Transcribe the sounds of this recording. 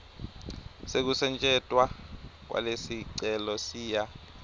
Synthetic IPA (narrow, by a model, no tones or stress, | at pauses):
sek̬usɛnt͡ʃʼɛtʼwak̬wa̰lesiǀɛlɔsiːja